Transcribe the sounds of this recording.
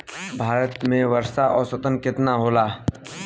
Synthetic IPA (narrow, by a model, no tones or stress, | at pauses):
bʱaːɾət̪mẽʋəɾʃaʔɔːɾsɐt̪ənkɪt̪naɦoːlaː